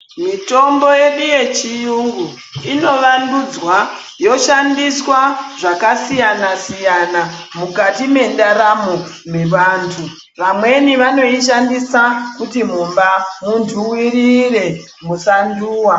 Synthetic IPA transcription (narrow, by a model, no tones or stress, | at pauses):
mito̞mbo̞je̞ɗije̞t͡ʃijuŋɡu | ino̞ʋandud͡zwa | jo̞ʃandiswaʐakasijanasijanamukatime̞ndaɾamu | meʋaːntʰu | ʋamwe̞niʋano̞iʃ̬andisakutimumbamuntʰuwiɾire̞ | musanduːwa